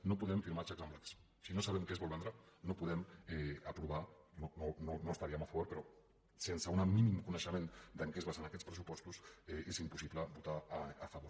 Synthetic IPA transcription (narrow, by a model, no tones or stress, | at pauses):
nopuðɛɱfiɾmat͡ʃakzamplaks | sinosaβɛmkezβɔlˠβɛnd̪ɾanopuðɛmɛapɾuβ̞anonononost̪aɾiəmɐfaβoɾpeɾɔ | sensəunaminimkunəʃəmend̪əŋkezβasənɐkɛt͡spɾəs̬upɔst̪usɛezimpusipləbut̪aːfɐβoɾ